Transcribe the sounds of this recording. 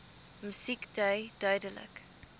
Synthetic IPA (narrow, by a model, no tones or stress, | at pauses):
mysikdəjdœɥdələ̰k